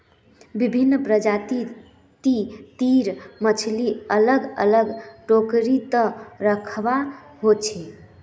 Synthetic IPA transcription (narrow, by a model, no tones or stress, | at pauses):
bibʱinːpɾəd͡ʒat̪i | t̪it̪iɾmət͡ʃʰliələɡə̰ləɡʈokɾit̪əɾəkʰbaɦot͡ʃʰi